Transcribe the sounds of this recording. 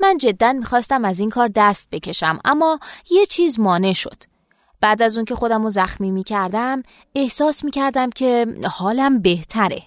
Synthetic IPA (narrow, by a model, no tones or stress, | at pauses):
mænd͡ʒe̞d̪ːænmiːxɒːst̪æmæzinŋkʰɒːɾd̪æst̪̚be̞cʰʲe̞ʃæmʔæ̰mːɒːje̞t͡ʃʰiːzmɒːne̞ʃo̞̰d̪̥ | b̥æːd̪æzuŋcʰe̞xo̞d̪æmozæxmiːmiːcʰæɾd̪æm | e̞hsɒːsmiːcʰæɾd̪æmcʰe̞hɒːlæmbe̞ht̪ʰæɾḛ